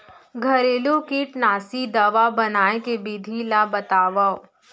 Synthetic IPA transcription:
ɡʱɐɾeːlokiʈnaːsid̪ɐʋabɐnaːekebid̪ʱilabɐt̪aːʋao

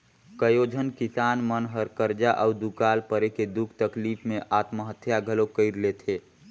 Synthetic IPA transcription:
kəjod͡ʒʱənkisaːnmənɦəɾkəɾd͡ʒaʔəʊd̪ukaːlpəɾeked̪ukʰt̪əklipʰmẽʔaːt̪məɦət̪ʰjaɡʱəlokəɪɾlet̪ʰe

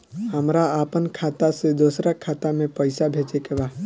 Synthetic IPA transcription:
həmɾaaːpənkʰaːt̪ased̪osɾakʰaːt̪amẽpəɪsabʱet͡ʃekeba

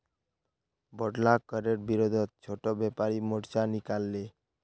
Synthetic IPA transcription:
bɔɖlakɔɾeɾbiɾod̪ʱɔt̪̚t͡ʃʰoʈɔbɛpaɾimɔɽt͡ʃanikalːe

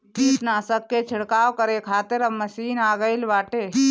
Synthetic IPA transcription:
iːʈnaːsəkːet͡ʃʰɪɽkaːwkəɾekʰaːt̪eɾəmːɐsiːnaːɡəilʋaːʈe

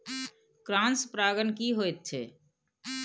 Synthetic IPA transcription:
kɾãːnspɾaːɡənkiɦoːet̪̚t͡ʃʰḛː

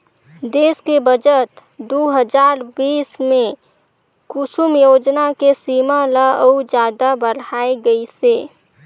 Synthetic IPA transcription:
d̪eːskebəd͡ʒət̪ | d̪oːɦəd͡ʒaːɾbiːsmẽ | kʊsʊmjoːd͡ʒnakesiːmalaəud͡ʒjaːd̪abəɽaːeɡəiseː

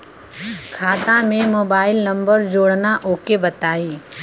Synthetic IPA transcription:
kʰaːt̪amẽmoːbaːɪlnɐ̃mbəɾd͡ʒoːɽnaʔoːkebɐt̪aːiː

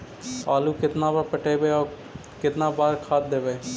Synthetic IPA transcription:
aːluːkɪt̪nãːbaɾpəʈeːbeːɔː | kɪt̪nãːbaːɾkʰaːt̪̚d̪eːʋeː

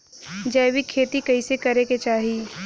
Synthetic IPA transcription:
d͡ʒɐːwikʰːeːt̪ikɐisekɐɾeket͡ʃaːɦiː

